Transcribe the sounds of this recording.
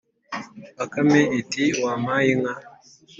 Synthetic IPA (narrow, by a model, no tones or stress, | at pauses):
akameitiwamajiŋa